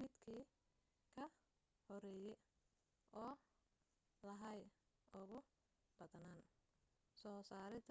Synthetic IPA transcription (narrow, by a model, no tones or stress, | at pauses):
mɪd̪kʰiː | kʰɐ | hɔɾɛːjɛj | ɔː | lɐɦɐj | ʊɣʊ | b̥ɐðnaːn | sɔːsaːɾɪd̪